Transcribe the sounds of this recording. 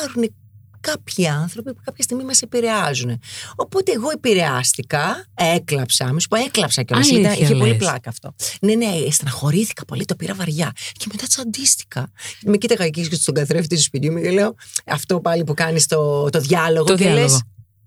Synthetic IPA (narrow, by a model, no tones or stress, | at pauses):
ɐɾune | kɐpçiɐnθɾo̞pipu̥kɐpçɐst̪iɣmimɐse̞piɾe̞ɐzune̞o̞po̞t̪eːɣo̞epiɾe̞ɐst̪ikɐeklɐpsɐɐmisu̥poeklɐpsɐceiðɐʔiçepo̞liplɐkɐːft̪o̞̰ne̞nest̪ɐnɐxo̞ɾiθi̥kɐ̥po̞lit̪o̞piɾɐvɐɾʝɐce̞me̞t̪ɐt̪sɐnd̪ist̪i̥xɐʝɐt̪imecit̪ɐɣɐciet̪st̪oɡɐθɾefit̪ist̪uspit̪imucele̞o̞ɐft̪o̞pɐlipukɐnist̪o̞t̪o̞ðʝɐlo̞ɣoeles